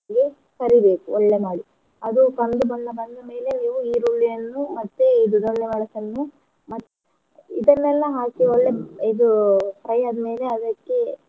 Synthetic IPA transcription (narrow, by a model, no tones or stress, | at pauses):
ɡe | kɐɾibe̞ːkuɔɭːemaːɽi | ɐd̪ukɐnd̪ubɐnd̪ɐbɐnd̪ɐme̞ːle̞niːʋuiːɾuɭːijɐnːumɐt̪ːeid̪ud̪oɭːeʋɐɭɐsɐnːu | mɐt̪ː | id̪ɐnːɛlːɐɦaːkiɔɭːe̞id̪upɾɐjɐd̪ɐme̞ːleɐd̪ɐkːe̞